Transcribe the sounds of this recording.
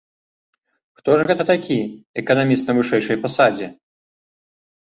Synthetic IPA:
xt̪ɔʐɣɛt̪ɐt̪akʲiɛkɐnamʲist̪nɐvɨʂɛjʂɐjfasad͡zʲɛ

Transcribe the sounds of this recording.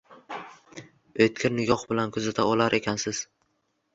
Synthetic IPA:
ojt̪̚kʰʲɪɾnɪɡʲɒχbɪlankʰʊzat̪ʰaɒlaɾʔe̞kʲʰansɪz̥

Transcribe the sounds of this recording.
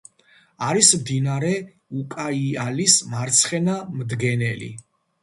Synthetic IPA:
aɾismd̪inaɾɛ | ukʼaialismaɾt̪sʰχɛnamd̪ɡɛnɛlḭ

